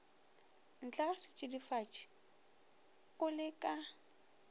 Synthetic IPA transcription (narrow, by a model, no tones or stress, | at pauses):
n̩t͡ɬʼasɪt͡ʃʼɪdifat͡ʃʼɪ̥ | kʼʊlɪkʼa